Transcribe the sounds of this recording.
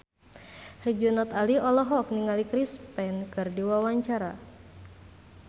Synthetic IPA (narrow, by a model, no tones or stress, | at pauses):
hrid͡ʒunɔt̪aliɔlɔɦɔk̚niŋalikɾispɛnkɨrdiwawaɲt͡ʃaɾa